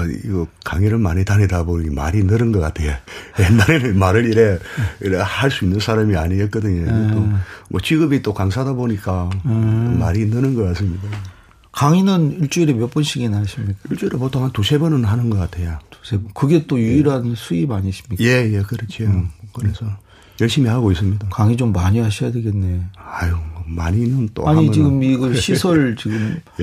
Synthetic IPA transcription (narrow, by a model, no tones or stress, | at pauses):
ḭɡʌkaŋiɾɯɭmaɲitanedaboɲima̰ɾinɯɾɯnɡʌk͈atʰe̞jaenaɾenɯmaɾɯɾiɾejiɾhaɭs͈uinːɯnsʰaɾamiaɲiʌt̚k͈ʌdɯɲokʰɯmmwʌt͡ɕiɡɯbit͈okaŋs̬ʰadaboɲik͈a | omaɾinɯnɯnɡʌk͈as͈ɯmɲida | kaŋinɯniɭt͡ɕ͈uiɾemjʌp͈ɯnɕʰiɡinɦaɕʰimɲik͈aiɭt͡ɕ͈uiɾepotʰoŋɦantusʰe̞bʌnɯnɦanɯnɡʌk͈atʰe̞jatu̥sʰebʌkɯɡe̞t͈ojuiɾɦansʰuimaɲis͈ʰimɲikjejekɯɾʌt͡ɕʰiokɯɾesʰʌ | jʌɭɕ͈imihaɡois͈ɯmɲidakaŋid͡ʑomːaɲiɦaɕʰijadwe̞ɡe̞nːe̞ajomaɲinɯnt͈o̰aɲit͡ɕiɡɯmiɡɯɕʰisʰʌɭt͡ɕiɡɯm